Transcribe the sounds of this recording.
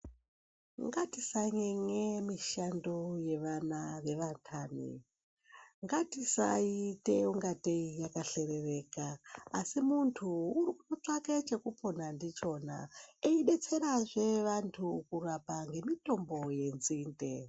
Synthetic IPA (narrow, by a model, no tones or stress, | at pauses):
ŋɡatisaŋeŋemiʃandoje̞ʋanaʋe̞ʋatʰaːnḭ | ŋɡatisa̰ite̞uŋɡateijakaɬe̞re̞reːkaːsimuntʰuːɾikutot͡ʂaket͡ʃe̞kupo̞nandit͡ʃo̞ːna̰eiɗe̞t͡se̞ɾaʐe̞ʋantʰukurapaŋɡe̞mito̞mbo̞je̞nziːnde̞